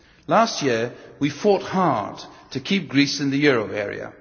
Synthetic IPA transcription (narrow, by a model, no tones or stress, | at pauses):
læst̚jɪɹwifɔt̚hɑɹd̥tʰɨkʰip̚ɡ̥ɹisɨ̃nðɨjʊɹoʊɛɹḭɨ̰